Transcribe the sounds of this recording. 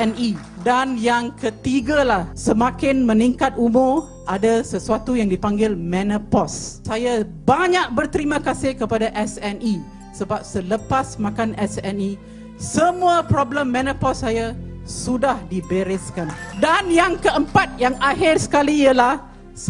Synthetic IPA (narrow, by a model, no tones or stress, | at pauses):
ɛni | danjaŋkət̪iɡalahsəmãkɪnmə̃niŋkat̪̚umʊr | ʔadasəsuat̪ujaŋdipaŋɡɪlmɛ̃nəpɔssajabaɲaʔ̚bərt̪əɾimãkasɪhkəpadaʔɛsɛni | səbap̚sələpasmãkanʔɛsɛni | səmũapɾɔbləmːɛ̃nəpɔsːajasudahdibəɾɪskandanjaŋkəəmpat̪̚jaŋaɦɪrsə̥kalijəlah